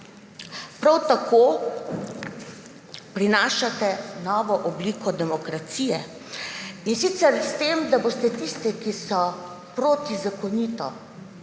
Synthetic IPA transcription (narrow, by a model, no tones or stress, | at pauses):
pɾawt̪akʰoː | pɾinaːʃat̪ɛnɔːʋɔʔɔbliːkʰɔd̪ɛmɔkɾat̪siːjɛ | insit̪sɛɾst̪eːmd̪abost̪ɛt̪ist̪ɛkisɔ | pɾoːt̪izakɔniːt̪ɔ